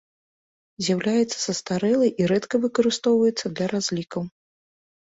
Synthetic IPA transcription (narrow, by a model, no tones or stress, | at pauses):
zʲjawlʲajɛt̪sːɐ̥sɐst̪aɾɛlˠɐjʔiɾɛt̪kɐvɨkɐɾɨst̪ɔwvɐjɛt̪sːɐd̪lʲɐɾazʲlʲikɐw